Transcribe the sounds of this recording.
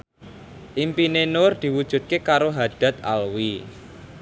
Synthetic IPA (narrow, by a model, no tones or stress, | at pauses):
ʔimpinenord̪̥i̤wud̥ʒ̥ṳd̪̚kekaɾoɦad̪̥ä̤t̪̚a̰lwi